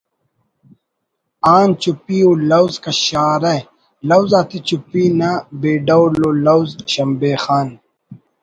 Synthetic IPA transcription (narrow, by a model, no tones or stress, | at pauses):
aːnt͡ɕupiːuːlɐwzkɐɕaːɾɐj | lɐwzaːt̪it͡ɕupiːnabeːɖɐwloːlɐwzɕɐmbeːxaːn